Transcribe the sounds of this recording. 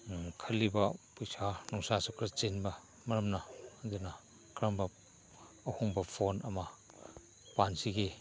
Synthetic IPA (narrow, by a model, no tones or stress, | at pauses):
kʰalːibɐpujsanuŋsasukɾat͡ʃinbɐ | mɐɾɐmnad̪una | kɾambɐː | huŋbɐpʰonɐma | pansiɡe